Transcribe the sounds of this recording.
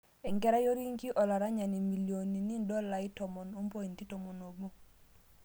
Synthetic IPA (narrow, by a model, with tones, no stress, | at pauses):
ɛ˨ŋɡɛ˦ɾa˦jo˦ɾi˦ŋki˦ʔɔ˨la˨ɾa˦ɲa˨ni˨mi˨ljo˨ni˨ni˦ndɔ˦la˨i˦tɔ˨mɔ˨nu˦m˦po˦i˨n˨ti˦to˨mo˨no˨bu˦